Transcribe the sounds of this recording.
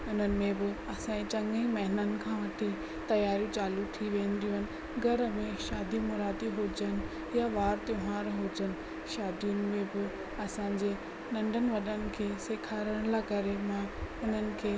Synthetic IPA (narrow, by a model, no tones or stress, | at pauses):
ʊn̤ənɪ̆mẽbɪɐsãt͡ɕɐ̃ŋĩmɐɦɪnənɪ̆kʰãːʋɐʈʰi | t̪ɐjaːɾjũt͡ɕaːlut̪ʰiʋẽːnd̪ijũɦɪnɪ̆ | ɡʱɐɾəmẽʃaːd̪ʱimʊɾaːd̪iɦod͡ʑənɪ̆ | jaʋaːɾt̪eɦãːɾɦod͡ʑənɪ̆ | ʃaːd̪ijʊnɪ̆mẽbɪ | ɐsãːɲd͡ʑeː | nɐ̃ɳɖʱənɪ̆ʋɐɗənɪ̆kʰeːseːkʰaːɾəɽ̃lakɐɾemãːʊn̤ənɪ̆kʰeː